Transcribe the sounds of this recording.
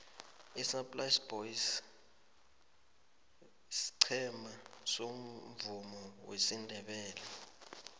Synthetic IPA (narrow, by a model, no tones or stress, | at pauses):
isapʼlajsb̥ois | si̥ǀʰɛmasom̩vumɔwesindʱɛɓɛːlɛ